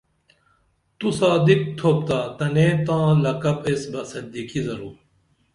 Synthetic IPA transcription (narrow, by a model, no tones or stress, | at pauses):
t̪usaːd̪ik̚t̪ʰoːp̚t̪aːt̪ɐneːt̪ãːlɐkɐpesbɐsɐd̪iːkizɐɾuː